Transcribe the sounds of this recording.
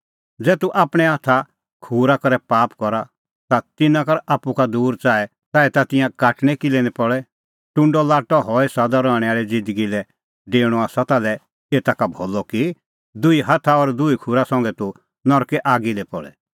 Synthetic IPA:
d͡zɛːt̪uʔaːpɽ̃ɛɦat̪ʰa | kʰuːɾakɔɾɛpaːpkɔɾa | t̪at̪ɪnãkɐɾaːpːukad̪uːɾt͡ʃaːɛ | t̪aːɛt̪at̪ɪ̃jãkaːʈɽ̃ɛkilɛnɛpɔɭɛ | ʈʊ̃ɳɖɔlaːʈɔɦɔɛsaːd̪aɾɔɽ̃ɛaːɭid͡zɪ̃nd̪əɡilɛ | ɖeːɽ̃ɔaːsat̪alɛ | eːt̪akabʱɔːlɔki | d̪ʊiɦat̪ʰaɔɾd̪ʊikʰuːɾasɔ̃ŋɡɛt̪u | nɔɾkɛʔaːɡilɛpɔ̰ɭɛ̰

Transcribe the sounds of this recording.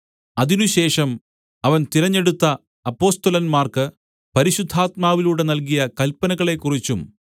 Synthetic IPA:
ɐðinuɕe̞ːʂɐm | ɐʋɐnt̪iɾɐɲːe̞ɽut̪ːɐ | ɐpːo̞ːst̪ɐlɐnmaːrkɨ | pɐɾiɕud̪ʱːaːt̪̚maːʋiluːɽe̞nɐlkijɐkɐlpːɐnɐɣɐɭe̞kːurit͡ɕːum

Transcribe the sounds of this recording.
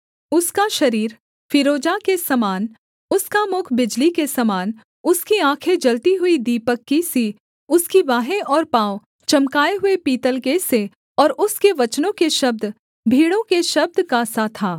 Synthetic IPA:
ʊskaʃɐɾiːɾ | fɪɾoːd͡ʒakesɐmaːn | ʊskamʊkʰbɪd͡ʒlikesɐmaːn | ʊskiãːkʰed͡ʒɐlt̪iɦʊid̪iːpəkːisi | ʊskiʋaːɦẽʔɔːɾpaːo | t͡ʃɐmkaːeɦʊepiːt̪əlkese | ɔːɾʊskeʋɐt͡ʃnõkeʃɐb̚d̪ | bʱiːɽõkeʃɐb̚d̪kasat̪ʰaː

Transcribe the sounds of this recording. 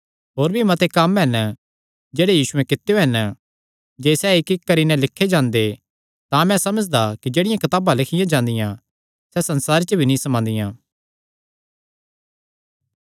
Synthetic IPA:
ɦoːɾbʱimɐt̪ekɐmɦɛn | d͡ʒeːɽejiːsʊẽkɪt̪ːejoɦɛn | d͡ʒeːsɛɪkɪkkɐɾinɛ̃lɪkʰːed͡ʒãːnd̪e | t̪ãmɛ̃sɐməd͡ʒd̪akid͡ʒeːɽɪjãkɐt̪aːbãlɪkʰɪjãd͡ʒãːnd̪ɪjã | sɛsɐnsaːɾet͡ʃəbʱinĩsɐmãːnd̪ɪjãː

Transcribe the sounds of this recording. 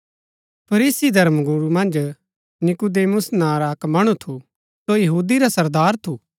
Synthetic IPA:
pʰɐɾiːsid̪ʱɐɾmɡuɾumɐ̃nd͡ʒ | nɪkud̪eːmʊsnãːɾaːkmɐɽ̃ut̪ʰu | sojɐɦuːd̪iɾasɐɾd̪aːɾt̪ʰuː

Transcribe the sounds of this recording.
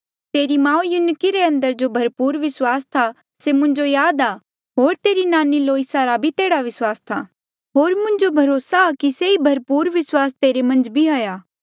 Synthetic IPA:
t̪eːɾimãːũjʊnkiɾeɐ̃nd̪əɾd͡ʒobʱɐɾpuːɾʋɪswaːst̪ʰa | semʊ̃ɲd͡ʒojaːd̪aː | ɦoːɾt̪eːɾinaːniloːisaːɾabʱit̪eːɽaʋɪswaːst̪ʰa̰ | ɦoːɾmʊ̃ɲd͡ʒobʱɐɾoːsakiseibʱɐɾpuːɾʋɪswaːst̪eːɾemɐ̃nd͡ʒbʱiɦoːjaː

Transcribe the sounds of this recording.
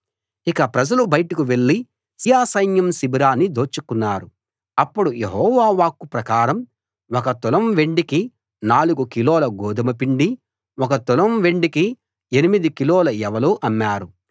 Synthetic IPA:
ikɐpɾɐd͡ʒɐlubɐjʈikuʋe̞ɭːi | sijaːsɐjnjɐmsibiɾaːnːid̪oːt͡ʃːukunːaːɾu | ɐpːuɽujeɦɔːʋaːʋaːkːupɾɐkaːɾɐm | wɔkɐt̪ulɐmʋe̞ɳɖiki | naːluɡukilɔːlɐɡɔːd̪ɐmɐpiɳɖi | wɔk̬ɐt̪ulɐmʋe̞ɳɖiki | enimid̪ikilɔːlɐɛʋɐloːʔɐnːaːɾu

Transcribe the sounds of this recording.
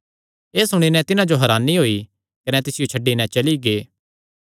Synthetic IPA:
eːsʊɽ̃inɛ̃t̪ɪnãd͡ʒoɦɐɾaːnːiɦoːi | kɐnɛt̪ɪsɪjot͡ʃʰɐɖːinɛ̃t͡ʃɐliɡeː

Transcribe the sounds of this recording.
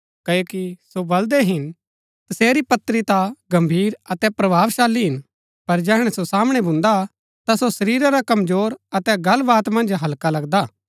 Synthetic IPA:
kɐjoːkisobɐld̪eɦɪn | t̪ɐseːɾipɐt̪ːɾit̪aɡɐ̃mbʱiːɾɐt̪ɛpɾɐbʱaːʋʃaːlːiɦɪn | pɐɾd͡ʒɛːɦɽ̃ɛsosaːmɽ̃ebʱʊ̃nd̪a | t̪asosɐɾiːɾaɾakɐmzoːɾɐt̪ɛɡɐlbaːt̪mɐ̃nd͡ʒɦɐlkalɐɡd̪aː

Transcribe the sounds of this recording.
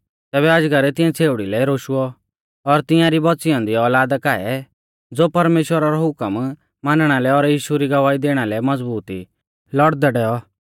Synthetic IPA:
t̪ɛːbɛad͡ʒɡaɾɛt̪ɪ̃jãt͡sʰeːʊɽilɛɾoːʃuɔ | ɔɾt̪ɪ̃jãɾibɔsɪjãːnd̪iɔːlaːd̪akaɛ | d͡zoːpɐɾmeːʃwəɾaɾɔɦʊkəm | maːnɽ̃alɛɔɾjiːʃuɾiɡɐʋaːid̪eːɽ̃alɛmɐd͡zbuːt̪ḭ | lɔɽd̪ɛɖɛːɔ

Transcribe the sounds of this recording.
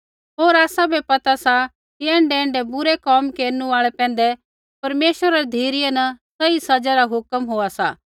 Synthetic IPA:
ɦoːɾaːsãbʱɛpɐt̪asa | kiɛ̃ːɳɖɛɛ̃ːɳɖɛbʊɾɛkɔːmkeːɾnũaːɭɛpɛ̃ːn̆d̪ɛ | pɐɾmeːʃʋəɾaɛd̪ʱeːɾɪjɛnɐsɐisɐd͡ʒaɾaɦʊkəmɦoːasa̰ː

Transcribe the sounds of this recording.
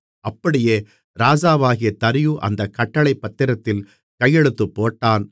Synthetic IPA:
ʔɐpːɐɽɪjeː | ɾaːd͡ʒaːʋaːɣɪjɐt̪ɐɾɪjuʔɐ̰nd̪ɐkːɐʈːɐɭɐɪpːɐt̪ːɪɾɐt̪ːɪl | kɐjːɛɽɯt̪ːɯpːoːʈːaːn

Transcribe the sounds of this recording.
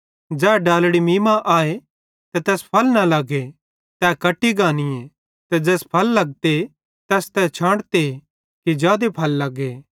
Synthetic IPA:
d͡ʒɛːɖaːlɽimiːmaʔaːe | t̪ɛt̪ɛːspʰɐlnɐlɐɡe | t̪ɛːkɐʈːiɡaːnie | t̪ɛd͡ʒɛːspʰɐlːɐɡ̚t̪e | t̪ɛst̪ɛt͡ʃʰãːɽt̪e | kid͡ʒjaːd̪epʰɐlːɐɡeː

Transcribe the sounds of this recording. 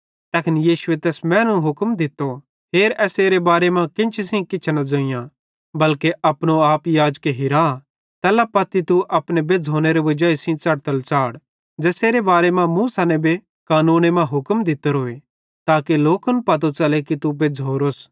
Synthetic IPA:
t̪ɛːkʰɪnjiːʃʊet̪ɛːsmɛ̃ːnũɦʊkmd̪ɪt̪ːo | ɦeːɾɛːseːɾebaːɾemãkɪ̃nt͡ʃʰisĩkɪt͡ʃʰnɐd͡ʒoːɪ̃jã | bɐlkeʔɐpɽ̃oaːpjaːd͡ʒkeɦɪɾa | t̪ɛːlapɐt̪ːit̪uʔɐpɽ̃ebed͡zʱoːneɾeʋɐd͡ʒaːisĩt͡sɐɽt̪əlt͡ʃaːɽ | d͡ʒɛːseːɾebaːɾemãmũsaːnẽbʱe | kaːnuːnemãɦʊkmd̪ɪt̪ːəɾɦoːe | t̪aːkeloːkənpɐt̪̬ot͡ʃɐlekit̪ubed͡zʱoːɾoːs

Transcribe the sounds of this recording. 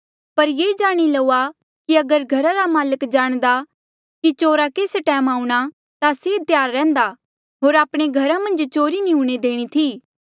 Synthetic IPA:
pɐɾjeːd͡ʒaːɽ̃ilɐua | kiɐɡəɾɡʱɐɾaɾamaːləkd͡ʒaːɽ̃d̪a | kit͡ʃoːɾakeːsʈɛːmaːũɽ̃a | t̪aseːt̪jaːɾːɛ̃ːnd̪a | ɦoːɾaːpɽ̃eɡʱɐɾamɐ̃nd͡ʒt͡ʃoːɾinĩɦũɽ̃ed̪eːɽ̃it̪ʰiː

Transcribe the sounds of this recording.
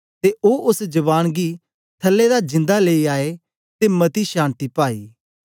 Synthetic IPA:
t̪eʔoːʊsd͡ʒɐβaːñɡi | t̪ʰəlːed̪ad͡ʒɪ̃nd̪aleiaːe | t̪emɐt̪iʃãːnt̪ipaːiː

